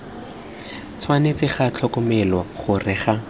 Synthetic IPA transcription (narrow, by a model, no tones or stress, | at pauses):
t͡sʰwanet͡sɪχat͡ɬʰɔkɔmɛlwaχʊrɪχa